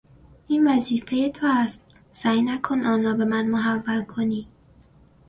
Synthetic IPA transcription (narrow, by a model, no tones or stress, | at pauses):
ʔiːnvæziːfe̞je̞t̪ʰoæst̪̚ | sæːjnækʰo̞nɒːnrɒːbe̞mænmoɦævːælkʰoniː